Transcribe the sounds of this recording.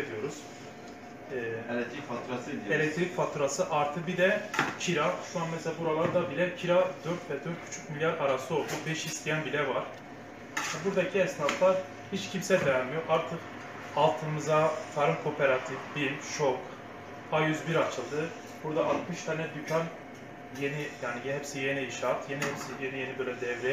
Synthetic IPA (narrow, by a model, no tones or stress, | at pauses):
ed̪ijo̞ɾuz̥ | ɛː | elʲɛc̚t̪ʰɾicfat̪ʰuɾasɯʔaɾt̪ʰɯbid̪ɛcʰiɾaʃuanmɛsɛlʲabuɾalˠaɾd̪abilʲɛcʰiɾad̪øɾt̪vɛd̪øɾt̪̚cʰy̥t͡ʃʰy̥c̚milʲjaɾaɾasɯo̞lˠd̪ubɛʃist̪ʰijænbilʲɛvaɾ̥ | vɛbuɾd̪acʰiɛsnat̪lˠaɾ | hit͡ʃcʰimsɛvɛɾmijo̞ʔaɾt̪ʰɯq | alˠt̪ʰɯmɯzat̪ʰaɾɯmkʰo̞pʰeɾat̪ʰifbimʃok | ajyzbiɾat͡ʃʰɯlˠd̪ɯ | buɾd̪aʔat̪mɯʃt̪ʰanɛd̪ycʰan | je̞nijaːnijɦɛpsije̞niiʃaːt̪je̞niɦɛpsijenije̞nibøjlʲɛd̪ɛvɾɛ